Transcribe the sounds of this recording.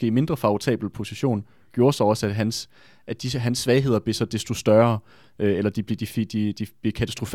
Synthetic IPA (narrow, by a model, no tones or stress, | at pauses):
ɡe̝̰ːime̝nd̥ʁɐfɑ̈ot͡sʰɛ̰ːb̥l̩pʰo̝siɕo̝̰ːn | ɡ̥jo̝ːɐsɑɒ̽sæ̥ɦæns | ʔæd̥isɦænsːʋɛɪɦe̝ð̰ˠɐb̥lesɒ̽d̥esd̥o̝sd̥ɶɐ | øelɐd̥ib̥ld̥ifd̥id̥ib̥ekʰæt͡sʰæsd̥ʁo̝f